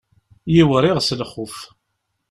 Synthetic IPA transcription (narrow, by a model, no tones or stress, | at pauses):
jiwəɾˤɪʁsləχːʊf